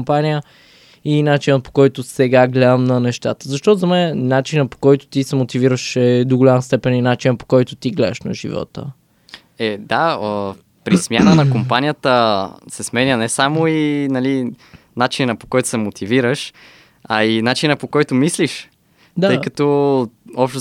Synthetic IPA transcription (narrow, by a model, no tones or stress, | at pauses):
mpanijə | inat͡ʃinəpo̥kɔjt̪ʊsɛɡaɡlɛd̪əmnɐnɛʃt̪at̪ə̥zɐʃt̪ɔtzɐmɛnɛnat͡ʃinəpo̥kɔjt̪ʊ̥t̪isɛmot̪iviɾəʃɛd̪oɡolʲaməst̪ɛpɛninat͡ʃinəpo̥kɔjt̪ʊt̪iɡlɛd̪əʃnɐ̰ʒḭvɔ̰t̪ə̰ | ɛd̪aə | pɾismʲjanənɐkompanʲijət̪əsɛsmɛnʲənɛsamoinɐli | nat͡ʃinɐpo̥kɔjt̪ʊ̥sɛmot̪ʰiviɾəʃ | ɐinat͡ʃinəpokɔjt̪omisliʃ | d̪aəjkət̪ɔ | ɔpʃt̪